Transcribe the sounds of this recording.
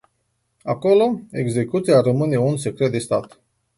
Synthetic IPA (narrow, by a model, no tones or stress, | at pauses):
ako̞lo̞e̞̰ɡze̞kut̪siarəmɨne̞unse̞kɾet̪̚d̪e̞st̪at̪